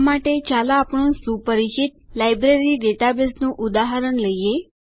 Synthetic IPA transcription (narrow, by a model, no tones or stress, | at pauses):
maʈet͡ɕalaːpəɳsupəɾit͡ɕit̪̚lajbɾeɾiɖeʈabesnũʔud̪aɦəɾəɳləje